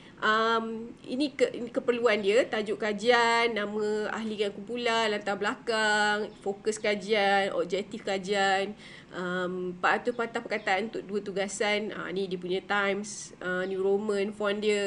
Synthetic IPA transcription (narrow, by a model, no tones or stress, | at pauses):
ʔəmḭnĩkəkəpərluandiət̪ad͡ʒʊʔkad͡ʒianːãmə̃a̰ɦlikaŋkumpulanlant̪ablakaŋfokəskad͡ʒianɔ̰b̚d͡ʒɛk̚t̪ifkad͡ʒian | ʔəmpaʔat̪ʊpat̪ahpəkat̪aʔanunt̪ʊk̚duət̪uɡasanə̰nidiəpuɲə̃t̪ajmsənjũɾomə̃nfɔndiə